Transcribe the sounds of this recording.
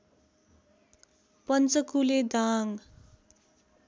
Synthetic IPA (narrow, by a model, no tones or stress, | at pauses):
pʌnt͡sʌkuled̪aŋ